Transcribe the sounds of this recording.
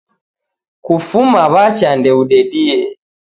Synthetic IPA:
kufumaβat͡ʃandɛuɗɛɗiɛ

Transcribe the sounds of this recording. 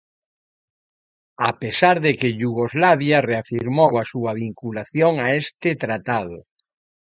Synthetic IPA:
apesaɾðekeʎuɣozlaβjareafiɾmowasuɐβiŋkulaθjoŋaest̪ɪt̪ɾat̪aðʊ̰

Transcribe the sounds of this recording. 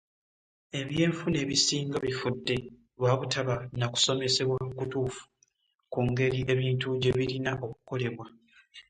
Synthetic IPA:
e̞βje̞ːɱfune̞ːβisiːŋɡaβifudːe̞ | βwaːβutaβanaku̥so̞me̞se̞βwakutuːfu̥ | kuŋɡe̞ɾiʔe̞βiːntuɟeβiɾinaʔo̞kuko̞le̞βwa

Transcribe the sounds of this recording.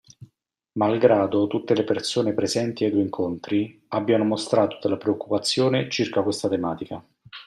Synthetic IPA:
malɡɾaːd̪ot̪ut̪ːelepersoːnepɾezɛnt̪iad̪ueiŋkʰont̪ɾiabːjanomost̪ɾaːt̪od̪elːapɾeokːupat̪sːjoːnet͡ʃirkakwest̪at̪emaːt̪ika

